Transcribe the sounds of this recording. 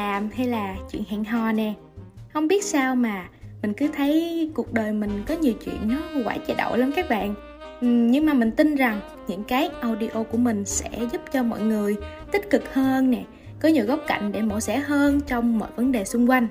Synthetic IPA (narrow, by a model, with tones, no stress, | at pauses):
aː˨˩mhɛ˧jlaː˨˩t͡ɕwḭ˧˨ənha̰ː˧˨ŋɦɔ˨˩nɛ˨˩ | hə˧wŋ͡mɓi˦˥ət̚saː˧wmaː˨˩mï˨˩ŋ̟kɨ˨˦t̪ʰə˨˦jku˨˩ək̚ɗəː˨˩jmï˨˩ŋ̟kɔ˨˦ɲi˨˩əwt͡ɕwḭ˧˨ənːɔ˨˦wa̰ː˧˩jt͡ɕɛ˧ɗo̰˧˨wlaː˨˦nkaː˦˥k̚ɓa̰ː˧˨n | ʔɲɨ˧ŋmaː˨˩mï˨˩ŋ̟t̪i˧nza˨˩ŋ | ɲɨ̰˧˥ŋkaː˨˦jʔa˧wɗi˧ʔo˧ku˧˩əmï˨˩ŋ̟sɛ̰˧˥zu˦˥p̚t͡ɕɔ˧mɔ̰˧˨jŋɨ˨˩əjt̪ï˦˥k̟̚kɨ˨˩k̚həː˧nːɛ˨˩ | kɔ˨˦ɲi˨˩wɣə˦˥wk͡p̚ka̰˧˨jŋ̟ɗe˧˩mo̰˧˩sɛ˧˥ɦəː˧nt͡ɕɔ˧wŋ͡mmɔ̰˧˨jvə˨˦nɗe˨˩sʊ˧ŋ͡mkwa˧jŋ̟